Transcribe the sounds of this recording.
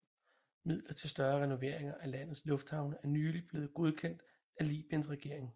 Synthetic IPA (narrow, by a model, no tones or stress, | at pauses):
mið̞̰ˠlɐt͡sʰe̝lsd̥ɶɐʁɛno̝ʋe̝ɐ̰e̝ŋɐʔælæn̰ð̞̩ˠslɔ̽fd̥hɑ̈ʊnəæɐnyːlib̥le̝ːð̩ˠɡ̥o̝ð̞ˠkʰen̰d̥ | ælḭːb̥iənsʁɛɡ̥e̝ɐ̰e̝ŋ